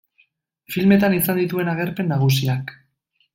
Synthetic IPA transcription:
filme̞t̪anisand̪it̪ue̞naɣe̞ɾpe̞nːaɣ̞usiak

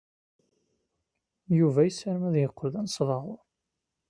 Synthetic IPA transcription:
juvæjəsəɾmæðjəqːlðænsˤðˤɑʁʊɾˤ

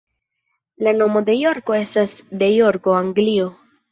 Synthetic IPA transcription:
lano̞mo̞de̞jo̞ɾko̞e̞stasd̪e̞jo̞ɾko̞aŋɡlio̞

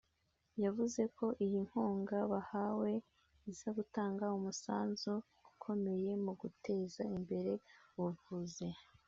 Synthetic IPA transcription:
javuze̞ko̞ʔijiŋ̥huːŋɡaβahawe̞ | iz̥aɡutaːŋɡaumusaːnzu | ukʰo̞me̞je̞muɡutʰe̞ːzaimbe̞ɾe̞wuvuːze̞

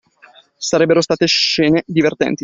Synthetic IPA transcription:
saɾɛbːeɾost̪aːt̪eʃɛːned̪ivert̪ɛ̰nt̪i

